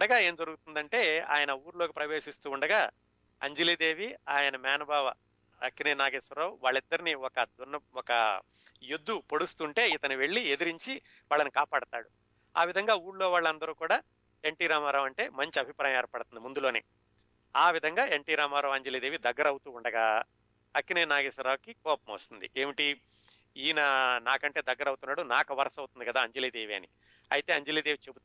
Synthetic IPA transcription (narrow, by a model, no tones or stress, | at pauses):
uɳɖɐɡaːe̞ːmd͡ʒɐɾuɡut̪und̪ɐɳʈe̞ːa̰ːjɐnɐuːɾloːkipɾɐʋe̞ːʂist̪uːuɳɖɐɡaː | ɐ̰ɲd͡ʒeliːd̪e̞ːʋiaːjɐnɐmjaːnɐbʱaːʋɐ | ɐkːinenaːɡeːsɐɾɐːwʋaːɭːid̪ːɐɾiniɔkɐd̪unːɐɔkɐ̰ | jud̪ʱːupo̞ɽust̪uɳʈe̞ːit̪ɐniʋe̞ɭːied̪iɾiɲt͡ʃi | ʋaːɭːɐnikaːpaːɽɐt̪a̰ːɽu | a̰ːʋid̪ʱɐŋɡaːuːɾloːʋaːɭːɐnd̪ɐɾuːkuːɽaː | e̞ɳʈiːɾaːmaːɾaːʋɐɳʈe̞ːmɐɲt͡ʃiɐbʱipɾaːjɐ̃mɛɾɐpɐɽɐt̪und̪imund̪ulo̞ːnḛː | aːʋid̪ʱɐŋɡaːe̞ɳʈiːɾaːmaːɾaːʋɐɲd͡ʒeliːd̪eːʋid̪ɐɡːɐɾɐwut̪uːɳɖɐɡaː | ɐkːineːnaːɡisɐɾaːkikɔːpɐmɐːst̪und̪iʔeːmiʈi | iːnɐnaːkɐɳʈeːd̪ɐɡːɐɾɐwut̪unːaːɽunaːkɐʋɐɾɐsɐwt̪und̪ikɐd̪aːɐɲd͡ʒeliːd̪eːʋiɐ̰ni | ɐ̰jit̪e̞ːɐɲd͡ʒeliːd̪eːʋit͡ʃe̞but̪u